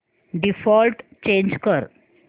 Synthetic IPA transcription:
ɖifɔlʈt͡ɕẽɲd͡ʑkəɾ

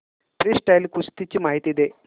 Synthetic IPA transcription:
pɾisʈajlkust̪it͡ɕːimaːɦit̪iid̪e

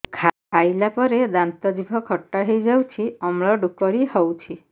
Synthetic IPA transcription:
kʰa | ajlapɔɾed̪ant̪ɔd̪ibʱɔkʰɔʈːaɦejd͡ʒawt͡ʃʰiɔmɭɔɖukɔɾihɔwt͡ʃʰi

